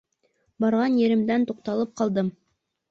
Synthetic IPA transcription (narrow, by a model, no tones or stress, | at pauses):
bɑɾʁɑnjɘ̆ɾɘ̆md̪ænt̪uq̚t̪ɑlˠɤp̚qɑlˠd̪ɤm